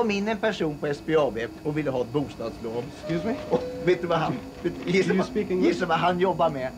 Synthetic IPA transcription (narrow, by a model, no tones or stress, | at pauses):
kɔmɪnːɛnpæʂuːnpʰɔɛsbeɑːbeːɔvɪlːəɦɑːɛt̪̚buːst̪ɑːd̪sbʰloːn | ɔveːt̪d̪ɵvaɦan | ɪsspiɪsːəvaɦanjɔbːaɾmɛ